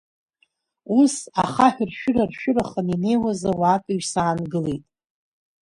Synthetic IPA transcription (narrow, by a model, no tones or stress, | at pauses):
usaχaħᶣrʃᶣʊrarʃᶣʊraχənine̞jwazawaːpʼiʒsaːnɡɨle̞jtʼ